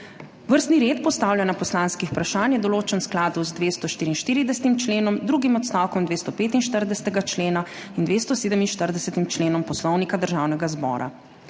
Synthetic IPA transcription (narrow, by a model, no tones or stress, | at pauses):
ʋəɾst̪niɾeːt̪pɔst̪aːwljanapɔslaːnskixu̥pɾaʃaːnjɛd̪ɔloːt͡ʃənsklaːd̪uzd̪ʋeːst̪ɔʃt̪iːɾinʃt̪iːɾid̪ɛsɛ̥t̪imt͡ʃleːnɔmd̪ɾuːɡimɔt̪st̪awkɔmd̪ʋeːst̪ɔpeːt̪inʃt̪əɾd̪ɛsɛ̥t̪ɛɡat͡ʃleːna | ind̪ʋeːst̪ɔseːd̪əminʃt̪əɾd̪ɛsɛt̪imt͡ʃleːnɔmpɔslɔwnikad̪əɾʒaːwnɛɡazbɔ̰ːɾʔa̰